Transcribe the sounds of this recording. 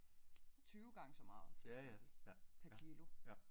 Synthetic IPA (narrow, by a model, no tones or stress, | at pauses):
t͡sʰyːʊɡ̥ɑ̈ŋəsɒ̽mɑ̈ːð̩ˠs | pʰækʰiːlo̝